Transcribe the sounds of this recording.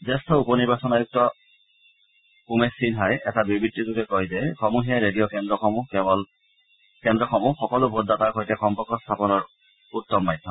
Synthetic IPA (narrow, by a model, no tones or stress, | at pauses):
zɛstʰɔupɔniɹbasɔnajuk̚tɔ | kumesinɦajʔɛtabibitːizukɛkɔjzɛxɔmuɦijaɹedijɔkɛndɹɔxɔmuɦkɛbɔl | kɛndɹɔxɔmuxɔkɔlʊbʱot̚dataɹkojtɛxɔmpɔkɔst̪ʰapɔnɔɹ | utːɔmːajdʱːɔm